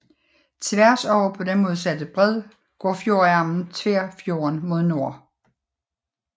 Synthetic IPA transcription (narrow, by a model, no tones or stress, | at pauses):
t͡sʰʋæɐsɒʊpʰɒ̽d̥enmɔ̽ːð̞̩ˠsæd̥əb̥ʁɛð̞̰ˠ | ɡ̥ɒ̰ːfjo̝ɐæɐmn̩t͡sʰʋeɐ̰fjo̝ːɐnmo̝ð̞ˠno̝ɐ̰